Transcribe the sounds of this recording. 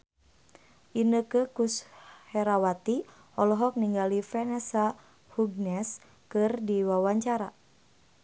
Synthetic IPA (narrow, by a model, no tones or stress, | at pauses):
ʔinəkəkushɛɾawat̪i | ɔlɔɦɔk̚niŋɡalifɛnɛsa | huɡ̚nɛs | kɨrdiwawaɲt͡ʃaɾa̰